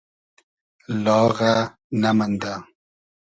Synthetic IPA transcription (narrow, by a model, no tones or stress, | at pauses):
lɔɣa | namənda